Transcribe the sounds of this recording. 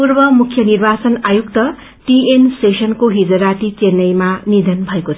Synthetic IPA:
purbʌmukʰjʌnirbat͡sʌnajukt̪ʌ | ʈiensesʌnkoɦid͡zʌɾat̪it͡senʌjmanid̪ʱʌnbʱʌekot͡sʰʌ

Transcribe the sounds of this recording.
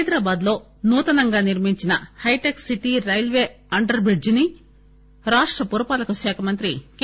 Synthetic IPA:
jd̪ɾaːbaːd̪lo̞ː | nuːt̪ɐnɐŋɡaːniɾmiɲt͡ʃinɐhɐjʈeksiʈiɾɐjlʋe̞ː | ɐɳɖɐɾbɾiɖd͡ʒini | ɾaːʂʈɾɐpuɾɐpaːlɐkuʃaːkʰɐmɐnt̪ɾik

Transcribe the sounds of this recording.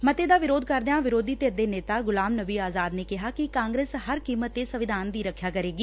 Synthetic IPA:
mət̪eːd̪aːʋɪɾoːd̪̚kəɾd̪eãːʋɪɾoːd̪iːt̪eɾd̪eːneːt̪aːɡʊlaːmnəbiːaːzaːd̪neːkɪɦaːkɪkãːŋɡɾeːsɦəɾkiːmət̪ːeːsəʋɪd̪ʱaːnd̪iːɾəkʰːjaːkəɾeːɡiː

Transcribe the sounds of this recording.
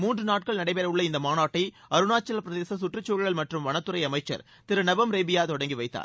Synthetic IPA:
muːndrɯnaːʈ̚kɐɭnɐɽɐɪpeːɾɐɯɭːɐɪnd̪ɐmaːnaːʈːɐɐɾɯnaːt͡ʃːɐlɐpɪɾɐðeːsɐsʊʈrɯt͡ʃːoːɻɪɣɐɭmɐʈrɯmʋɐnɐt̪ːɯɾɐɪɐmɐɪt͡ʃːɐ̰ɾ | t̪ɪɾɯnɐbɐmɾeːbɪjaːt̪ɔɽɐŋɡiʋɐɪt̪ːa̰ːɾ

